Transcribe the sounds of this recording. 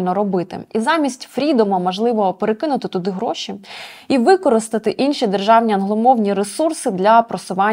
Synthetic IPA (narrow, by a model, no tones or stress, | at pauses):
lʲnɔɾɔbɪt̪ɪ̰izɑmʲisʲtʲfɾʲid̪ɔmɐmɔʒlˠɪʋɔɔpeɾekɪnʊt̪ɪt̪ʊd̪ɪɦɾɔʃʲiiʋɪkɔɾɪst̪ɪt̪ɪʔinʃid̪erʒɑwnʲiɐnɦlˠɔmɔwnʲiɾesursɪd̪lʲɐpɾɔsʊʋɑ